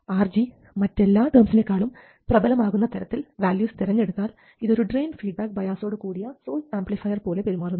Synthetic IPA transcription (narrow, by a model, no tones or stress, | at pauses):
aːrd͡ʑi | mɐtːe̞lːaːʈɐːmsile̞kːaːɭum | prɐbɐlɐmaːɣunːɐt̪ɐɾɐt̪ːilʋaːljuːst̪iɾɐɲːe̞ɽut̪ːaːl | iðo̞ɾuɖreːnfiːɖ̚baːk̚bɐjaːso̞ːɽɨkuːɽijɐsoːlaːmblifɐjɐrpo̞ːle̞pe̞ɾimaːrunː